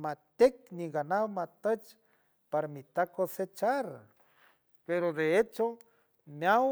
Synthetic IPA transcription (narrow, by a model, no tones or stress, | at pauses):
mat̪ekniɡanawmat̪ət͡ʃ | paɾamit̪akoset͡ʃaɾ | peɾod̪eet͡ʃo | mjaw